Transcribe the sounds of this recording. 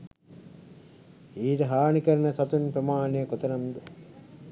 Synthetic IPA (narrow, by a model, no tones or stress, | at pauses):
iːʈɐɦaːnikɐɾɐnɐsɐt̪unpɾɐmaːnijɐkot̪ɐnɐmd̪ɐ